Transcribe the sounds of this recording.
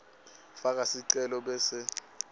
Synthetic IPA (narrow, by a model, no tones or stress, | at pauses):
fak̬ʼasiǀɛlɔɓɛːsɪ